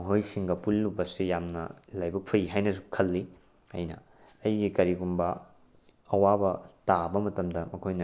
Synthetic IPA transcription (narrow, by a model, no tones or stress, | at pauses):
ɐɦojsiŋɡɐpulːubɐsijamnɐ̰lajbɐk̚pʰɐiɦajnɐs̬ukʰɐlːi | ɐjnɐ̰ː | jɡikɐɾiɡumbɐ | ɐwabɐtabɐmɐtɐmdɐmɐkʰojnɐ